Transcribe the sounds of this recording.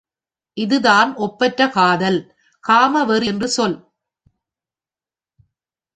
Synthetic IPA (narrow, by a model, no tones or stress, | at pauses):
ʔɪðɯðaːnʔɔpːɐʈrɐkaːðɐl | kaːmɐʋɛɾɪndrɯsɔl